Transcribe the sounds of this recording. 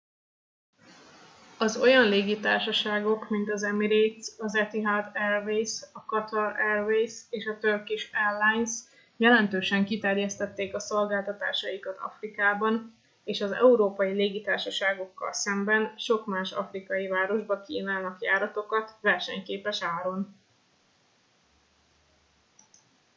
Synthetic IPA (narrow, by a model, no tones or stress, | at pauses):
ɒzo̞jɒnleːɡit̪aːrʃɒʃaːɡo̞kmint̪ɒzɛmiɾit̪sɒzɛt̪iɦad̪ɛrvejsɒkɒt̪ɒɾɛrvejseːʃɒt̪ørkiʃɛlːajns | jɛlɛnt̪øːʃɛŋkit̪ɛrjɛst̪ɛt̪ːeːkɒso̞lɡaːlt̪ɒt̪a̰ːʃɒjikɒt̪ʰɒ̰frikaːbɒn | eːʃɒzɛ̰uɾoːpɒjileːɡit̪aːrʃɒʃaːɡo̞kːɒ̰lsɛmbɛnʃo̞kmaːʃɒ̰frikɒjivaːɾo̞ʒbɒkḭːnaːlnɒkjaːɾɒt̪o̞kɒt̪ʋɛrʃɛ̰ɲkeːpɛʃaːɾo̞n